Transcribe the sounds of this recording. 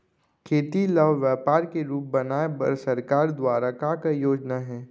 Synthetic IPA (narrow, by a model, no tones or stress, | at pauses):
kʰeːt̪iləʋʋjɛːpaːɾkeɾuːp̚bɐnaːebə̰ɾsəɾkaːɾd̪waːɾakakajoːd͡ʒnaɦɛː